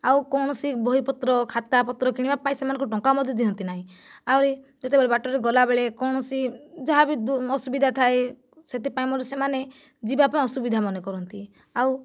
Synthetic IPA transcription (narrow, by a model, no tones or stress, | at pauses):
awkɔwɳ̃ɔsibʱɔɦipɔt̪ɾɔkʰat̪apɔt̪ɾɔkiɽ̃ibapaĩsemanɔ̃ŋkɔʈɔ̃ŋkamɔd̪ʱjɔd̪iɦɔnt̪inaɦĩawɾid͡ʒet̪ebeɭebaʈɔɾeɡɔlabeɭekɔwɽ̃ɔsid͡ʒɔɦabid̪ɔsubid̪ʱat̪ʰae | set̪epaĩmɔɾisemane | d͡ʒibapaĩɔsubid̪ʱamɔnekɔɾɔnt̪i | aw